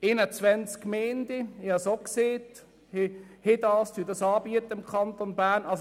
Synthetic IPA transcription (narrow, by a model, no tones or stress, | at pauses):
ɪnət͡sʋɛnt͡skmeːnd̪iɪhɑsokseːt | hɪhɪd̥̪ɑːstyːdɑsɑːbiət̪ːəɪmkʰɑnt̪onbæːɾnɑs